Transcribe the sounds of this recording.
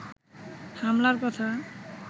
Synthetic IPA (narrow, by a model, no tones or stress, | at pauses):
hamlaɾkɔt̪ʰa